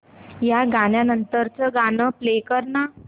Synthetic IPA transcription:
jaɡanjanənt̪əɾt͡səɡanəplekəɾna

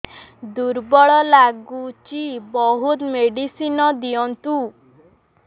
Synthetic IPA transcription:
d̪uɾbɔɭɔlaɡut͡ʃibɔɦut̪meɽisinɔd̪ijɔnt̪u

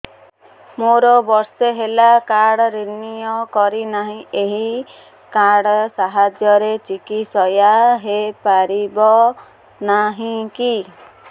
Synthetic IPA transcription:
moɾɔbɔɾseɦelakaɽɔɾinijɔkɔɾinaɦĩeɦi | kaɽɔsaɦad͡ʒjɔɾet͡ʃikisɔjaɦepaɾibɔ | naɦĩki

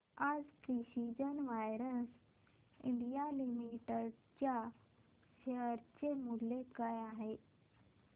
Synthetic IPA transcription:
ad͡zkɾiɕid͡ʑənʋajɾəs | ḭɳɖijalimiʈəɽ | t͡ɕja | ɕəɾt͡ɕemulːekajaɦe

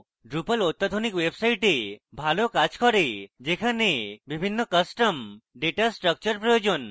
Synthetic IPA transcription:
ɖɾupəlot̪ːad̪ʱonikwebsajʈebʱalokat͡ʃkʰɔɾed͡ʒekʰanebibʱinːɔkəsʈəmɖeʈasʈɾək̚t͡ʃɔɾpɾɔjod͡ʒɔn

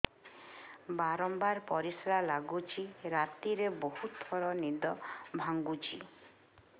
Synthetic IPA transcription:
baɾɔmbaɾpɔɾisɾalaɡut͡ʃʰiɾat̪iɾebohut̪ʰɔɾɔnid̪ɔbʱaŋɡut͡ʃʰi

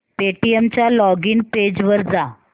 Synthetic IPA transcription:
peʈiemt͡ɕjalɔɡiːnped͡ʑʋəɾd͡za

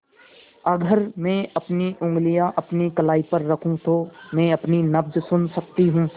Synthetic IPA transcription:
ɐɡəɾmɛ̃ːɐpniʔʊ̃ŋɡlijaʔɐpnikɐlaːipɐɾːɐkʰũt̪oːmɛ̃ːɐpninɐbd͡ʒsʊnsɐk̚t̪iɦũː

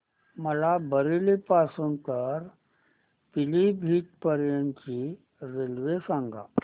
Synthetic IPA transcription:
məlabəɾilipasuːnt̪əɾ | pilibʱiːʈ̚pəɾjənt͡ɕi | ɾelʋesãŋɡa̰

